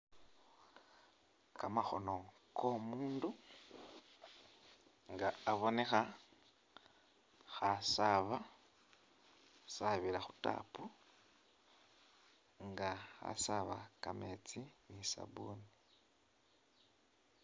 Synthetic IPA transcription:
kamaxo̞no̞kʰo̞muːndu | ŋɡaːβo̞ne̞xa | xasaβa | saβiɾaxu̥ta̰ːpu | ŋɡaxa̰saβa̰kame̞t͡sinisa̰βuni

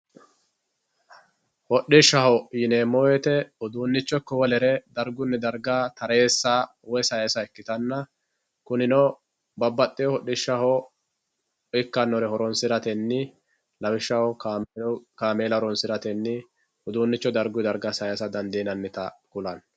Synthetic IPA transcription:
hɔɗːɪʃːɐhɔjɪneːmːɔwɛt̪ɛʊd̪uːnːɪt͡ʃːɔkːɔwɔlɛɾɛd̪ɐɾɡʊnːɛd̪ɐɾɡaːt̪ɐɾeːsːa | wɔjsɐjɐsɐɛkːɪt̪ɐnːɐ | kʊnɪnɔ | bɐbːɐt̪ʼːɪjɔhɔɗːɪʃːɐhɔ | ɪkːɐnːɔɾɛhɔɾɔnsɪɾɐt̪ɛnːɪ | lɐwɪʃːɐhɔkː | kaːmeːlɐɾɔnsɪɾɐt̪ɛnːɪ | ʊd̪uːnːɪt͡ʃːɔd̪ɐɾɡʊd̪ɐɾɡasɐjɐsɐd̪ɐnd̪iːnɐnːɪt̪ɐkʊlɐn

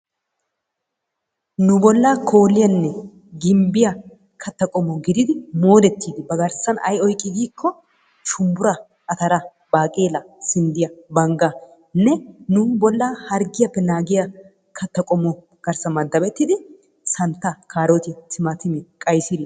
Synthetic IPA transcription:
nʊbɔlːakʰo̞ːlːɪjɐnːɛ | ɡɪmbɪjɐ | kʰɐt̪ːɐkʼɔmɔɡɪd̪ɪd̪ɪmo̞ːd̪ɛt̪ʰːiːd̪ɪbɐɡɐɾsɐnɐ̰jɔjkʼːɪɡiːkʰːɔ | ʃʊmbʊɾɐ | ɐt̪ɐɾɐ | baːkʼeːlɐsɪnd̪ɪjɐbɐŋɡɐ | nːɛnʊbɔlːaːhɐɾɡɪjɐpːɛnaːɡɪjɐ | kʰɐt̪ːɐkʼɔmɔ | ɡ̥ɐɾsɐmɐd̪ːɐbɛt̪ːiɪd̪ɪ | sɐnt̪ːɐkʰaːɾɔt̪ɪt̪ɪmɐt̪ɪmɛkʼɐjsɪd̪

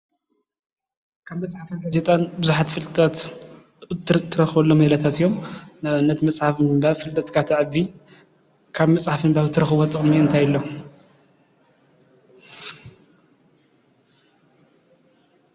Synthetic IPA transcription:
kʰaβmɐsʼħafɐɡazet̪ʼanbɨzuħat̪fɨlt̪ʼɐt̪ | t̪t̪ʰːɨɾɐxβɐlːomɐlɐt̪ʰat̪ijːomnaβnːɐt̪mɐsʼħafmɨmbaβfɨlt̪ʼɐt̪kʰat̪ʰɨʕβi | kʰaβmɐsʼħafɨmbaβt̪ʰɨɾɐxɨβot̪ʼɨχʼmiɨnt̪ʰajɪlːo

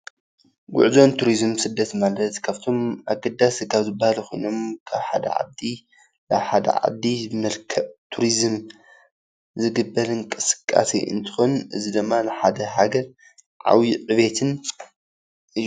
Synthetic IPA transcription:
ɡʊ̰ʕzo̞nt̪ʰuɾizɨmsɨd̪ːɐt̪malɐt̪kʰaβt̪ʰo̞ma̰ɡɐd̪askʰaβzɨbahalkʰo̞jno̞mkʰaβħa̰d̪ɐ̰ʕa̰d̪i | laβħad̪ɐ̰ʕa̰d̪ːimɐlkʰɐβt̪ʰuɾizɨm | zɨɡɨbːɐlɨŋkʼɨ̥sɨ̥kʼːa̰sḭʔɨ̰nt̪ʰɨ̥xonʔɨ̰zid̪ɨmːanɨħad̪ɐɦaɡɐɾ | ʕa̰wjiʕɨβet̪ʰɨn | ɨjːu

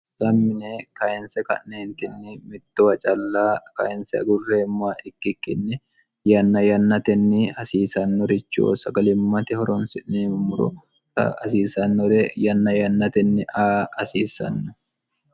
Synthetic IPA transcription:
sɐmːɪneːkɐɪnsɛkɐ̰nneːnt̪ɪnːɪmɪt̪ːɔwɐt͡ʃʼɐlːaːkɐ̰ɪnsɛɐ̰ɡʊrːeːmːaːʔɪkːɪkːɪnːɪ | jɐnːɐjɐnːɐt̪ɛnːɪɐsiːsɐnːɔɾɪt͡ʃːo̰ːsɐɡɐlɪmːɐt̪ɪhɔɾɔnsɪʔneːmmʊɾɔ̰ | tɐ̰ɐsiːsɐnːɔɾɛjɐnːɐjɐnːɐt̪ɛnːɪʔaːɐsiːsɐ̰nːɔ

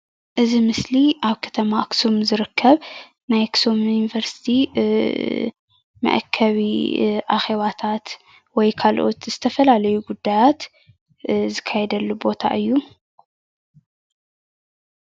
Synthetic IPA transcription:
ʔɨzimɨsliʔaβkʰɐ̥t̪ʰɐmaksumzɨɾɨkʰːɐβ | najksumujuivɐɾsi̥t̪ʰi | mɐ̰ʔkʰːɐβḭʔaxe̞βat̪ʰat̪ | wɔjkʰalʔo̞̰t̪z̥ɨt̪ʰɐfɐlalɐjuɡud̪ːajat̪ | zɨkʰːajɛd̪ɐlːubo̞t̪ʰa̰ʔɨjːu

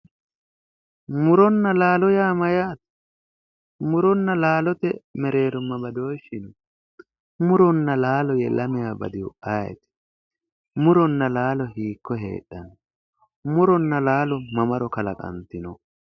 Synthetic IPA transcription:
mʊɾɔnːɐlaːlɔjaːmɐjaːt̪ | mʊɾɔnːɐlaːlɔt̪ɛmɛɾe̞ːɾʊmːɐbɐd̪oːʃːɪnɔ | mʊɾɔnːɐlaːlɔjɛlɐmɪjaːbɐ̰d̪ɪwʊaːjɛ̰t̪ɪ̥ | mʊɾɔnːɐlaːlɔhiːkːɔɦḛːɗːɐnɔ | mʊɾɔnːɐlaːlɔmɐmɐɾɔkɐlɐkʼɐ̰nt̪ːɪnɔ

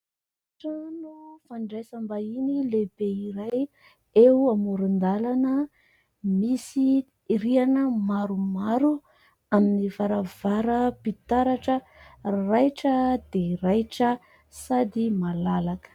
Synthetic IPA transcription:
ʈ͡ʂanofaɳɖ͡ʐajsambainileb̥eiɾaj | eamuɾind̪alanə | misi | ɾianəmaɾumaɾu | aminivaɾavaɾəpit̪aɾaʈ͡ʂə | rajʈ͡ʂəd̪̥erajʈ͡ʂə | sad̪imalalakə̥

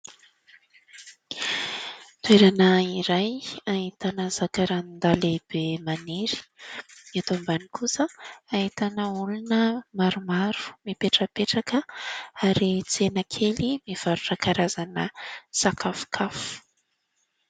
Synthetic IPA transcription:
t̪weɾanəiɾajaɦit̪anəz̥akaɾand̪aleb̥emaneɾi̥miat̪ombanikʰusəait̪anəulunəmaɾumaɾu̥mipeʈ͡ʂəpeʈ͡ʂakəaɾit͡senəkʰelimiv̥aɾuʈ͡ʂakaɾazanə̰sakʰafu̥kʰafu̥

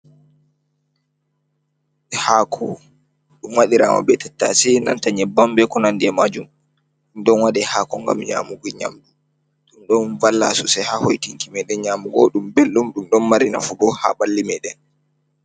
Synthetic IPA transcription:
ɛhakʰɔ | ɗumwaɗiɾa̰ːma̰bɛtɛtːasɛna̰ntaɲɛbambɛkɔnandiɛmad͡ʒum | ɗumɗɔnwaɗɛhaːkɔŋɡa̰mɲa̰ːmuɡiɲa̰mɗu | ɗumɗɔnvalːa̰susɛhahojtiŋkimɛɗɛnɲaːmuɡɔ̰ɗumbelːumɗumɗɔnmaɾina̰fubɔha̰balːimɛɗɛn

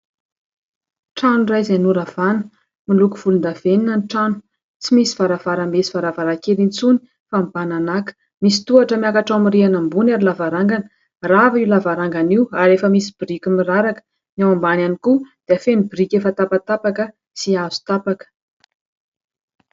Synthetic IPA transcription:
ʈ͡ʂanurajzenuɾav̥anə̥ | milukuv̥ulund̪aveninənʈ͡ʂanu̥ | t͡simisiv̥aɾavaɾamesi̥v̥aɾavaɾakeɾint͡suni̥ | fambananakə̥ | misi̥t̪uaʈ͡ʂəmiakaʈ͡ʂawamirianambunaɾilavaɾaŋɡanə | raviwlavaɾaŋɡaniwaɾefəmisib̥irikʲumiraɾakə̥ | nawambananikud̪̥eafenibirikʲefət̪apat̪apakə | siazu̥t̪apakə̥

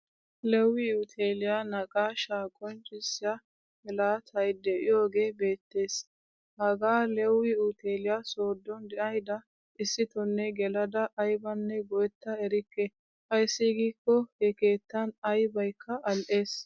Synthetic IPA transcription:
lɛwːɪʊt̪ʰeːlɪjanɐkʼaːʃaːkʼɔnt͡ʃʼɪsːɪja | hɛlaːt̪ʰɐjd̪ɛʔɪjo̞ːɡe̞ːbe̞ːt̪ːe̞ːs | hɐɡaːlɛwːɪʊt̪ʰeːlɪjaso̞ːd̪ːɔnd̪ɛʔɐjd̪ɐ | ʔɪsːɪt̪ɔnːɛɡɛlɐd̪ɐʔːjbɐnːɛɡɔɛt̪ːɐɛɾɪkːɛ | hɐjsːiɡiːkːɔhɛke̞ːt̪ːɐnɐjbɐjkʰːɐɐlʔe̞ːs

